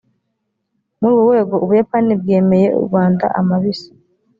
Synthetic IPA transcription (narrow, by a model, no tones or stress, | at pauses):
muɾuβuwe̞ːɡo̞ʔuβujapanib̚ɡe̞ːme̞je̞ṵɾɡwaːnda̰ʔamaβisḁ